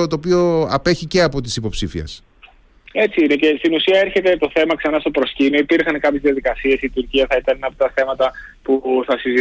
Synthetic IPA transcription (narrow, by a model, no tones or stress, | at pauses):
ot̪oːp̬io̞ɐpe̞çice̞ɐpo̞t̪i̥sipo̞psifiɐ̰s | e̞t͡siinece̞st̪inusiɐe̞ɾçe̞t̪e̞t̪o̞θe̞mɐksɐnɐst̪o̞pɾo̞scinoipiɾxɐnkɐpçezðiɐðikɐsie̞sit̪uɾciɐθɐit̪ɐnɐpo̥t̪ɐθe̞mɐt̪ɐpuθɐsizi